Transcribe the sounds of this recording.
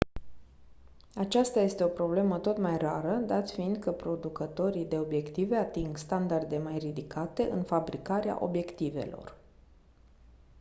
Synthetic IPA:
at͡ʃast̪aje̞st̪e̞o̞pɾo̞ble̞mət̪o̞t̪majraɾəd̪at̪sfiɨnd̪kəpɾo̞d̪ukət̪o̞ɾijd̪e̞o̞bje̞kt̪ive̞at̪iŋɡst̪and̪ard̪e̞majrid̪ikat̪e̞ʔɨnfabɾikaɾea̰ʔo̞̰bje̞kt̪ive̞̰lo̞̰r

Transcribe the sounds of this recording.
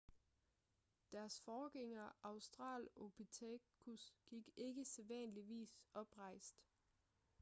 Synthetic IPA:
d̥æɐsfɒːɡ̥eŋɐʔɑ̈ʊsd̥ʁɑ̰̈ːlob̥it͡sʰekʰusɡ̥iɡ̥e̝ɡ̥əseʋænəliʋḭːsɒ̽b̥ʁɑ̈ɪ̰sd̥

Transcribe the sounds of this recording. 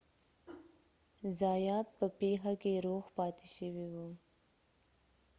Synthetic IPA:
zɑjɑt̪̚pəpeɦakeɾoxpɑt̪eʃəwiwu

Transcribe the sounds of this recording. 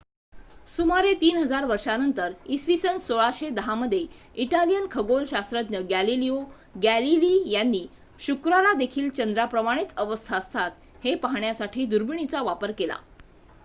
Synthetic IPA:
sumaɾet̪iːnɦəd͡zaɾʋəɾʂanənt̪əɾisʋisənsoɭaɕed̪əɦaməd̪ʱːje | iʈalijənkʰəɡolɕast̪ɾət̪njəɡælilio | ɡæliliːjanːiː | ɕukɾalad̪ekʰiːlt͡ɕənd̪ɾapɾəmaɽ̃et͡səʋəst̪ʰaəst̪ʰat̪ | hepaɦɳjasaʈʰiːd̪uɾbiɳ̃it͡saʋapəɾkela̰

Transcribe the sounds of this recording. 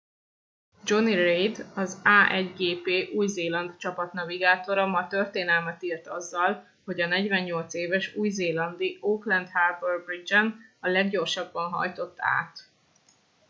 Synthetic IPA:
d͡ʒo̞nirejd̪ɒzaːʔɛɟɡeːpeːʔuːjzeːlɒnd̪t͡ʃɒpɒt̪nɒviɡaːt̪o̞ɾɒmɒt̪ørt̪eːnɛlmɛt̪iːrt̪ɒzːɒl | ho̞ɟɒnɛɟvɛɲːo̞lt̪seːvɛʃuːjzeːlɒnd̪ioːklɛnd̪harbɛrbrid͡ʒɛnɒlɛɡɟo̞rʃɒbːɒnɦɒ̰jt̪o̞t̪ːa̰ːt̪

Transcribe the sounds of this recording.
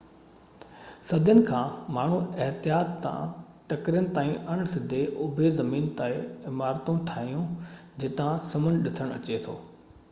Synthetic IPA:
sɐd̪ʱjənɪ̆kʰãːmaːɳ̤ũɪɦt̪ijaːt̪ːã̰ | ʈɐkɾjənɪ̆t̪aːĩʔɐɽ̃sɪd̪ʱeʔʊbʱezɐmiːnt̪aːeɪmaːɾt̪ũʈʰaːɦijũd͡ʑɪt̪ãsɐmənɗɪsəɽ̃ɐ̰t͡ɕet̪ʰo̰ː

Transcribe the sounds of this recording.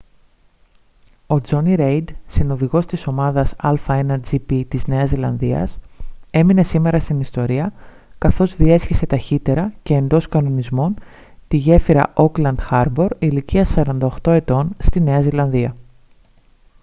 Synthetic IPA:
o̞d͡zo̞niɾe̞jd̪sino̞ðiɣo̞st̪iso̞mɐðɐsɐlfɐenɐd͡zipit̪izne̞ɐzilɐnðiɐ̰se̞mine̞sime̞ɾɐst̪inist̪o̞ɾiɐ | kɐθo̞zðie̞sçise̞t̪ɐçit̪e̞ɾɐce̞ːnd̪o̞skɐno̞nizmo̞n | t̪iʝe̞fiɾɐ̰ʔo̞klɐnd̪̥xɐɾbo̞ɾiliciɐsɐɾɐnd̪ɐo̞xt̪o̞e̞t̪o̞nst̪ineɐzilɐnðiɐ

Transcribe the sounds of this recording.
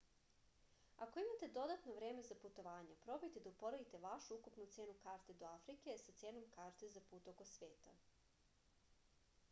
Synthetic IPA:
ako̞imat̪e̞d̪o̞d̪at̪noʋɾe̞ːme̞zaput̪o̞ʋaːɲapɾo̞bejt̪e̞d̪aupo̞ɾeit̪e̞ʋaʃuukupnut̪seːnukaːɾt̪e̞d̪o̞afɾike̞sat̪seːno̞mkaːɾt̪ezapuːt̪o̞kosʋeːt̪a̰

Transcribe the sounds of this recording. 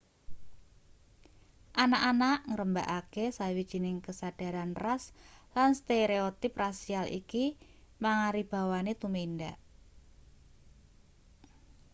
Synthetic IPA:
ʔanaʔanaʔŋəɾəmbaʔakesawid̥ʒ̥i̤nɪŋkəsad̥a̤ɾanraslanst̪eɾeot̪ɪp̚rasialʔḭkimaŋaɾib̥a̤wanet̪umendaʔ

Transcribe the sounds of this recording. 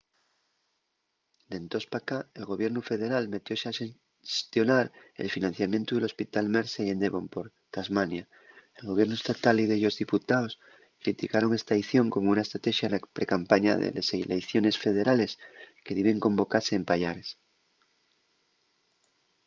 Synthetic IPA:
d̪e̞nt̪o̞spakaelɣo̞β̞je̞ɾnufe̞ðe̞ɾalme̞t̪jo̞seae | st̪jo̞naɾḛlfinãn̟θjamje̞nt̪uðelo̞spit̪almeɾseje̞nd̪eβo̞mpo̞ɾ | k̪azmanja | elɣo̞β̞je̞ɾnoe̞st̪at̪aliðeʎo̞zðiput̪aos | kɾit̪ikaɾo̞ŋest̪aajθjo̞ŋko̞mounaest̪ɾat̪eʃjanapɾekampaɲa̰ðḛlḛselejθjo̞ne̞sfe̞ð̞e̞ɾale̞skeðeβe̞ŋkõ̞mbo̞kaɾse̞ːmpaʎaɾes

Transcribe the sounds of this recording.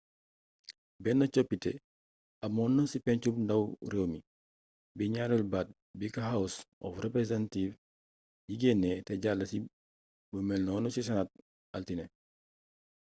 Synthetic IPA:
bɛnːɐt͡ʃopːitḛ | ɐmɔnːɐnsipɛɲt͡ʃubndawremi | biɲaɾulbat̚ | bikahawusʔɔ̰frepɾesentiːf | jiɡenːeteɟalːɐsi | bumelnɔːnusis̬ɐnat̚ | altine

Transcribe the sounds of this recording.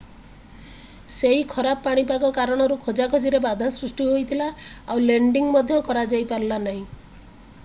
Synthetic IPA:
seɦikʰɔɾappaɽ̃ipaɡɔkaɾɔɽ̃ɔɾukʰod͡ʒakʰɔd͡ʒiɾebad̪ʱasɾusʈiɦojt̪ʰilaawleɳɖiŋmɔd̪ʱjɔkɔɾad͡ʒajpaɾlanaɦĩ

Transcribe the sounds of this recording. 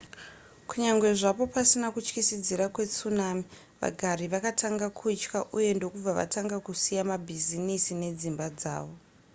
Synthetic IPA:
kuɲaŋɡwe̞ʐapo̞pasinakut͡ʃkisid͡ziɾakwe̞t͡sunaːmi | ʋa̰ɡʱaɾiʋakatʰaŋɡakʰuit͡ʃkaʔuje̞ndo̞kub͡vaʋa̰taŋɡakusijamabʱizinisine̞d͡zimbad͡za̰ːʋo̞

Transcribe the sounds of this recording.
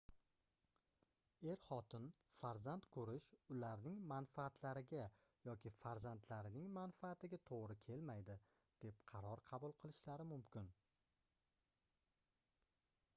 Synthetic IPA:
e̞ɾχɒt̪ʰɪn | faɾzant̪kʰɵɾɪʃʊlaɾnɪŋmanfaːt̪ʰlaɾɪɡʲa | jɒkʲʰɪfaɾzant̪ʰlaɾɪnɪŋmanfaːt̪ʰɪɡʲat̪ʰoʁɾɪkʲʰe̞lmajd̪ɪ | d̪̥e̞p̚qʰɑɾɒɾqʰɑbʊlˠqʰɨlˠɪʃlaɾɪmʊmkʲɪn

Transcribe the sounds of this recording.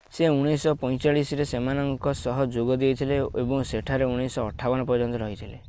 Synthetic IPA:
seuɽ̃isɔpɔ̃j̃t͡ʃaɭisɾesemanɔŋkɔsɔɦɔd͡ʒoɡɔd̪iet̪ʰileebɔŋseʈʰaɾeuɽ̃isɔːʈʰːabɔnɔpɔɾd͡ʒɔnt̪ɔɾɔɦit̪ʰile

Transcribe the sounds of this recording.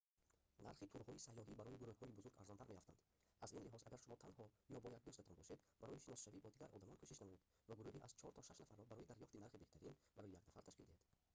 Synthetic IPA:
na̰ɾχit̪ʰuɾhɔisajɔɦibaɾɔjiɡuɾuhhɔibuzuɾɡa̰ɾzɔnt̪ʰaɾmeɾaft̪and̪ | azinliɦɔzaɡaɾʃumɔt̪ʰanhɔjɔbɔjak̚d̪us̬t̪at̪ʰɔnbɔʃed̪baɾɔjiʃinɔsʃavibɔd̪iɡaɾʔɔ̰d̪amɔnkʰuʃiʃnamɔjed̪ | vaɡuɾuhiʔaz̥t͡ʃʰɔɾt̪ʰɔʃaʃnafaɾːɔbaɾɔid̪aɾjɔft̪inaɾχibe̞ht̪ʰaɾinbaɾɔjijaɡnafaɾt̪ʰaʃkild̪ihed̪̥

